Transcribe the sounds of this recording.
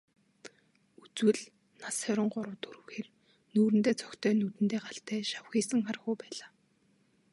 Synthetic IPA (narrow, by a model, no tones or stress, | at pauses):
ut͡swɘ̆ɮ | nasœɾʲɪ̆ɴɢʊɾə̆wt̪ʰuɾɘ̆wxeːr | nuːɾɘ̆nt̪eːt͡sʰɔ̥kt̪ʰœːnut̪ɘ̆nt̪eːɢaɬt̪æːʃawxiːsə̆ŋχarxuːpæːɮaː